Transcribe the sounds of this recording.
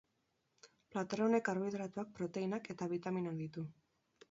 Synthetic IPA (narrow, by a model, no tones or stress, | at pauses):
plat̪eɾaone̞kaɾβiðɾat̪uak̚pɾo̞t̪e̞inake̞t̪aβ̞it̪aminak̚d̪it̪u